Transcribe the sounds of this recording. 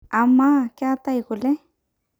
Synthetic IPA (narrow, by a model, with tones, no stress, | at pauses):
a˨ma˦ka˦t̪a˦jkʊ˨lɛ˦